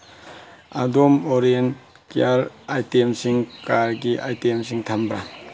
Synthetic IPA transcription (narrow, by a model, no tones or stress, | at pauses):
a̰domɔɾen | kiaɾajtemsiŋkaɾɡiʔajtemsiŋtʰambɾa̰